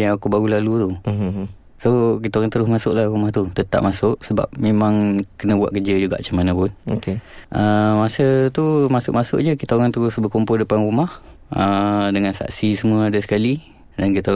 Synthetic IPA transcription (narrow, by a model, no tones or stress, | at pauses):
jaakubaɾulalut̪u | sokit̪aoɣaŋt̪əɾʊsmasʊʔ̚lahɾumaht̪ut̪ət̪a̰ʔ̚masʊʔsəba̰p̚memaŋkənəbwa̰ʔ̪̚kəd͡ʒəd͡ʒuɡa̰ʔat͡ʃamanə̃pʊnokeʔəmasət̪umasʊʔ̚masʊ̰ʔd͡ʒəkit̪aoɣaŋt̪əɾʊsbəkompʊldəpanɾumah | ədəŋansa̰ʔsisəmuəadəsə̥kali | dankit̪a